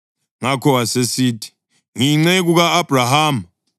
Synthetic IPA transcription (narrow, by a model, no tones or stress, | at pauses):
ŋakʰɔwasesiːtʰi̥ | ŋiŋ͡ǀɛk̬uɣaːb̥ʱraɦaːm